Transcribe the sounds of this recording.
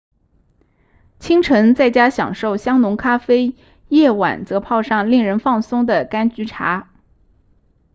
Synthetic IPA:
t͡ɕʰi˥ŋʈ͡ʂʰɤ˧˥ŋt͡sa˥˩ɪt͡ɕja˥ɕjɑ̰˨˩ŋʂo˥˩ʊɕjɑ˥ŋnʊ˧˥ŋkʰa˥fe˥ɪ | jɛ˥˩wa̰˨˩nt͡sɤ˧˥pʰɑ˥˧ʊʂɑ˥˧ŋli˥˩ŋɻə˧˥nfɑ˥˩ŋsʊ˥ŋd̪ə˨ka˥nt͡ɕy˧˥ʈ͡ʂʰa̰˧˥

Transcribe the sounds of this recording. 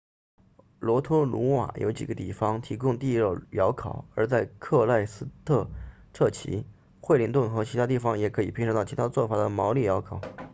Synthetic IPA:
lwɔ˧˥t̪ʰɔ˥lu˧˥wa̰˨˩jo̰˧˥ʊt͡ɕi˨˩ɡə˦t̪i˥˩fɑ˥ŋt̪ʰi˧˥kʊ˥˧ŋt̪i˥˧ɻə˥˩jɑ˧˥ʊkʰɑ˨˩˦ʊə˞˧˥t͡sa˥˧ɪkʰɤ˥˧la˥˩ɪsɹ̩˥t̪ʰɤ˥˧ʈ͡ʂʰɤ˥˩t͡ɕʰḭ˧˥ | xwe˥˩ɪli˧˥nt̪ʊ˥˩ŋxɤ˧˥t͡ɕʰi˧˥t̪ʰa˥t̪̬i˥˩fɑ˧ŋjɛ˨˩kʰɤ˧˥i˨˩pʰnʂɤ˧˥ŋt̪ɑ˥˩ʊt͡ɕʰi˧˥t̪ʰa˥t͡swɔ˥˩fa˨˩d̪ə˦mɑ˧˥ʊli˥˩jɑ˧˥ʊkʰɑ˨˩˦ʊ

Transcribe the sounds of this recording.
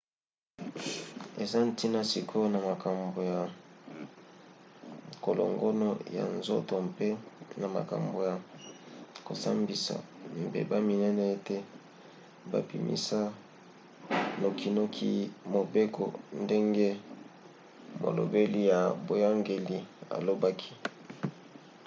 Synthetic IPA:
e˨za˦n˦ti˦na˨si˨kʰo˦na˨ma˨ka˨mbo˨ja˨ | ko˨lo̰˨ŋɡo˦no˦ja̰˨nzo̰˦to˨mpe˦na˨ma̰˨ka̰˨mbo˨ja˨ | ko˨sa̰˦mbi˨sa̰˨m̩bḛ˨ba˦mi˨nɛ˦nɛ˦e˦te˦ | ba̰˨pḭ˨mḭ˦sa˦ | no˨ki˨no˦kʰi˦mo˨be˦ko̰˨nde˦ŋɡe˦ | mo̰˨lo̰˨be˦li˦ja˨bo˨ja˦ŋɡe˨li˨a̰˨lo˦ba˦kʰi̥˦

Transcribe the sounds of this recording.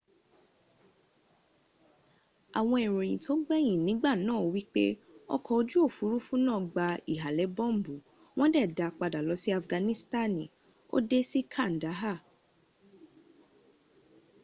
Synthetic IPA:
a˨w̃ɔ̃˧e˨ɾo˨j̃ĩ˨tʰo˦ɡ͡bɛ˦j̃ĩ˨nĩ˨˦ɡ͡ba˦˨nãː˦˨wi˦k͡pe˦ɔ̰˦kʰɔ˧o˧d͡ʒu˦o˦˨fu˨˦ɾu˦fũ˦nãː˦˨ɡ͡ba˧i˨ɦa˨lɛ˨˦bɔ̃˦˨m˦˨bu˨ | w̃ɔ̃˦dɛ˦˨da˧k͡pa˧da˨lɔ˨˧˦si˦a˧fɡã˧nĩ˦sta˦˨nĩ˨ | o̰˦de˦si˦kʰa˦˨n̩˨da˨˦ɦa˦˨

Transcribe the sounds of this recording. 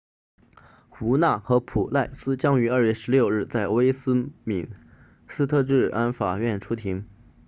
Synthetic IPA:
xu˧˥na˥˩xɤ˧˥pʰu˨˩la˥˩ɪsɹ̩˥t͡ɕjɑ˥ŋy˧˥ɐ˞˥˧ɥɛ˥˩ʂɻ̩˧˥ljo˥˧ʊɻ̩˥˧t͡sa˥˩ɪwe˥ɪsɹ̩˥mi˨˩n | sɹ̩˥t̪ʰɤ˥˧ʈ͡ʂɻ̩˥˩a˥nfa˨˩ɥɛ˥˩nʈ͡ʂʰu˥t̪ʰi˧˥ŋ

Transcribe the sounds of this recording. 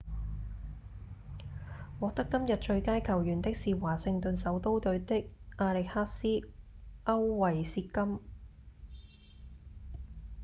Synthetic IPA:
wɔː˨˧k̚t̪ɐ˥kːɐ˥mjɐ˨t̚t͡ʃɵ˧ɥkaː˥jkʰɐ˨˩wjyː˨˩nt̪ɪ˥k̚siː˨waː˨˩sɪ˧ŋt̪ɵ˨nsɐ˨˥wt̪o˥wt̪ɵ˨˧ɥt̪ɪ˥k̚ʔaː˧lɪ˨k̚haː˥t̚siː˥ʔɐ˥wwɐ˨jsiː˧t̚kɐ˥m

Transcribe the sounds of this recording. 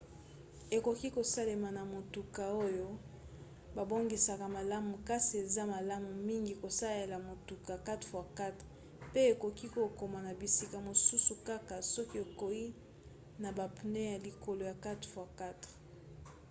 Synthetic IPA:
e˨ko˨ki˦ko˨sa˦le˨ma˨na˨mo˨tu˨ka˨o˦jo˦ | ba˨bo˦ŋɡi˨sa˨ka˨ma˨la˦mu˨ka˦si˨e˨za˦ma˨la˦mu˨mi˦ŋɡi˨ko˨sa˦je˨la˨mo˨tu˨ka˨ka˦tχfwa˦˨ka˦t | pe˦e˨ko˨ki˦ko˨ko˨ma˨na˨bi˨si˦ka˨mo˨su˦su˨ka˦ka˨sɔ˦ki˦e˨ko˨i˦ | na˨ba˨pu˨ne˦ja˨li˨ko˨lo˨ja˨ka˦tfwa˦˨ka˦tʁ

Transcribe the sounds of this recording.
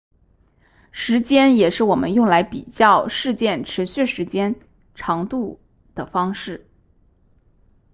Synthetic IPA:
ʂɻ̩˧˥t͡ɕjɛ˥njɛ˨˩ʂɻ̩˥˩wɔ˨˩mə̰˦njʊ˥˩ŋla˧˥ɪpi˨˩t͡ɕjɑ˥˧ʊʂɻ̩˥˧t͡ɕjɛ˥˩nʈ͡ʂʰɻ̩˧˥ɕy˥˩ʂɻ̩˧˥t͡ɕjɛ˥n | ʈ͡ʂʰɑ˧˥ŋt̪u˥˩ | d̪̥ə˩fɑ˥ŋʂɻ̩˥˩

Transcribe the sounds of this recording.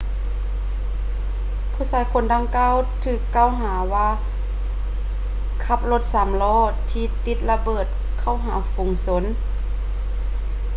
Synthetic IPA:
pʰuː˧˩saː˧˦jkʰo˧˦ndaː˧ŋkaː˧˥˨wt̪ʰɯː˧˩kːaː˧˨wɦaː˨˩˦waː˧ | kʰa˧˩p̚lo˧t̪̚sa˨˦mlɔː˧˩t̪ʰiː˧t̪i˧˦t̪̚la˧bɤː˨˩t̪̚ | kʰa˧˩wɦaː˨˦fu˨˩˦ŋso˧˦n

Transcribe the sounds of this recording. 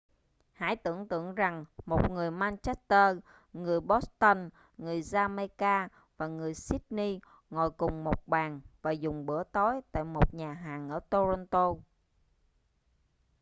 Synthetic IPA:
ha̰ː˧˥˦jt̪ɨ̰˧˩əŋt̪ɨ̰˧˨əŋza˨˩ŋmo˨˩t̚ŋɨ˨˩əjmaː˧nt͡ɕa˦˥k̚t̪əː˧ | ŋɨ˨˩əjɓo˦˥st̪ə˧n | ŋɨ˨˩əjzaː˧ma˧kaː˧ | vaː˨˩ŋɨ˨˩əjsi˦˥t̚ni˧ | ŋɔ̰˧˨jkʊ˨˩ŋ͡mmo˨˩t̚ɓaː˨˩nvaː˨˩zʊ˨˩ŋ͡mɓɨ˧˩ət̪o˨˦jt̪a̰ː˧˨jmo˨˩t̚ɲaː˨˩ɦaː˨˩ŋʔəː˧˩t̪o˧zɔ˧nt̪o˧

